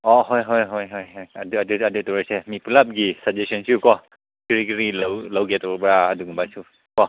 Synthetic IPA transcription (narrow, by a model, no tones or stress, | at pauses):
ɔɦɔjɦɔjɦɔjɦɔjɦɔjaduaduadutɔɹɛsɛmipʰulap̚ɡisad͡ʒesɔnsiukɔ | kiɹikiɹilawlawɡɛtɔbɔpɹaːduɡubajsu | kɔ